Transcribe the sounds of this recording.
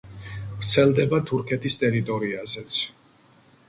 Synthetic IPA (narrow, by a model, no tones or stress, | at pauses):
vɾt̪sʰɛlˠd̪ɛbat̪ʰuɾkʰɛt̪ʰist̪ʼɛɾit̪ʼɔɾiazɛt̪sʰ